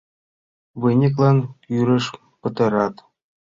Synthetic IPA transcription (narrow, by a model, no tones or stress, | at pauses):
ʋɯnʲik̬lˠɤ̆njyɾʲɘ̆ʂ | pɤ̆t̪ɤ̆ɾɑt̪